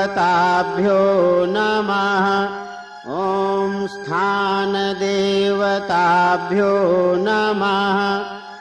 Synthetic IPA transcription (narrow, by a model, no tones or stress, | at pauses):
t̪aːbʱjoːnɐmaɦɐ | omst̪ʰaːnɐd̪eːʋɐt̪aːbʱjoːnɐmaɦɐ